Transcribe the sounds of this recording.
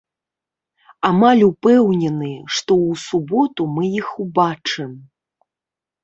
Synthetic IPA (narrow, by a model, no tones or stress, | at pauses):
amalʲupɛwnʲɛnɨʂt̪ɔwsubɔt̪umɨjixubat͡ʂɨm